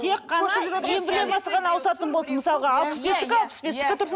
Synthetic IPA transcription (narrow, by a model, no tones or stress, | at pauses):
t̪ʰekqːɑnɑmembɪɾlenmɑsəʁɑnɑwəsɑt̪ənbo̞lˠsənməsɑlˠəʁɑɑːlˠpə̥sbe̞st̪ɪkʲɑlˠpsbesɪ̥kʲt̪ʰʊɾs